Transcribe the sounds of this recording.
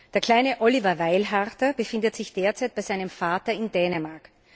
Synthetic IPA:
d̥eːɐkʰl̥aɪnəʔɔlivɐvaɪlɦaʁtɐbəfɪndətz̥ɪçd̥eːɐt͡saɪt̚b̥aɪzaɪnəmfaːtɐɪndɛːnəmaɐk

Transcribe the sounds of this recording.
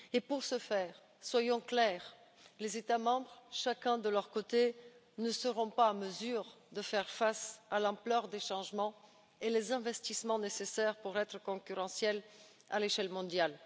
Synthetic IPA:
epuʁsəfɛːʁ | swajɔ̃klɛʁ | lezet̪amɑ̃bʁʃakɛ̃d̪əlœʁkot̪e | nəsəʁɔ̃paːməzyʁd̪əfɛʁfasalɑ̃plœʁd̪eʃɑ̃ʒmɑ̃ | elezɛ̃vɛst̪ismɑ̃nesesɛʁpuʁɛt̪χəkɔ̃kʲyʁɑ̃sjɛl | a̰leʃɛlmɔ̃d̪jal

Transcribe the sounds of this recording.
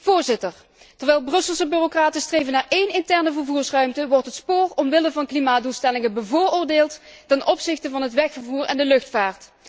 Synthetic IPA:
v̥ʊːɹzɪtəɹ | tɛɹʋɛjlˠbrɵsəlˠsəbyrokraːtənstrejvənaːɹʔejnɪntɛɹnəvəɹvuːɹsrœɥmtəʋɔrtɦətspoːrɔmʋɪləvɑnklimaːduːlˠstɛlɪŋəbəvʊːɹʊːɹdeːlˠttɛnʔɔpsɪxtəvɑnɦətʋɛxfəɹvuːrɛndəlɵxtfaːɹt

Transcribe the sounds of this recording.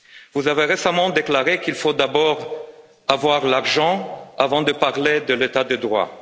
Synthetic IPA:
vuzaveʁesamɑ̃d̪eklaʁekilfod̪abɔʁ | avwaʁlaʁʒɑ̃avɑ̃d̪əpaʁled̪əlet̪ad̪əd̪ʁwa̰

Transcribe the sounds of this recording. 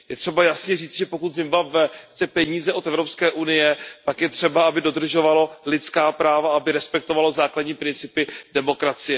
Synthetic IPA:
jɛt̪r̥ɛbajasɲɛriːt͡sʒɛpo̞kut̪zɪmvabvɛxt͡sɛpɛɲiːzɛʔo̞t̪ɛvɾo̞pskɛːʔunɪjɛt̪akjɛt̪r̝̥ɛbaabɪdo̞d̪r̩ʒo̞valo̞lɪtt͡skaːpɾaːvaabɪɾɛspɛk̚t̪o̞valo̞zaːkladɲiːpɾɪnt͡sɪpɪdɛmo̞kɾat͡sɪjɛ

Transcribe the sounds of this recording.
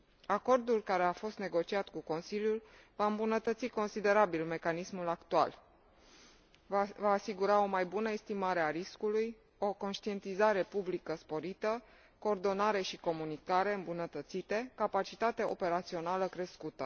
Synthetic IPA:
ako̞rd̪ulkaɾe̞afo̞st̪ne̞ɡo̞t͡ʃiat̪kuko̞nsiljulvaɨmbunət̪ət̪siko̞nsid̪e̞ɾabilme̞kanismulakt̪ua̰l | vaːsiɡuɾao̞majbunəest̪imaɾe̞aɾiskuluj | o̞ko̞nʃt̪ie̞nt̪izaɾe̞publikəspo̞ɾit̪ə | ko̞ːrd̪o̞naɾe̞ʃiko̞munikaɾe̞ɨmbunət̪ət̪sit̪e̞kapat͡ʃit̪at̪eʔo̞̰pe̞ɾat̪sio̞naləkɾe̞skut̪ə

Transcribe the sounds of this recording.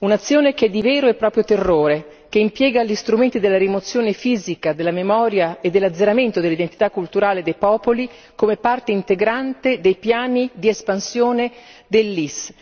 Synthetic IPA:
unat̪sːjoːnekɛd̪ːivɛːɾoepːɾɔːpɾjot̪erːoːɾe | keimpjɛːɡalʎist̪ɾument̪id̪elːaɾimot̪sːjoːnefiːzikad̪elːamemɔːɾjaed̪ːelːad̪zːeɾament̪od̪elid̪ent̪i̥t̪akːult̪uɾaːled̪ejpɔːpoli | komepart̪eint̪eɡɾant̪ed̪ejpjaːnid̪iespansjoːned̪elːis

